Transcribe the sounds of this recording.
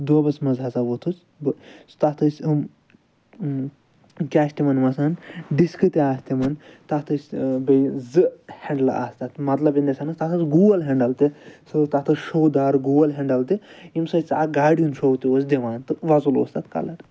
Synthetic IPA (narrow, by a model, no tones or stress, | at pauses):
d̪obɐt͡smɐzɦɐsaʋot̪ʰut͡s | bɨsɨ̥t̪at̪ʰɐsʲɨm | kʲaːʃʲt̪imɐnmɐsaːnɖiskɨt̪iaːst̪imɐnt̪at̪ʰɨsʲbejzɨheɳɖlɐ̰a̰ːst̪at̪mɐt̪lɐbind̪ɐsanɨst̪at̪ʰɐsɡuːɐlɦeɳɖɐlt̪isɨt̪at̪ʰɐsʃowd̪aːɾɡuːɐlɦeɳɖɐlt̪iimsɐt͡sa̰ɡaːɽijunʃowt̪iosd̪iʋaːnt̪ɨʋɐzulo̰ːst̪at̪kɐ̰lɐʈ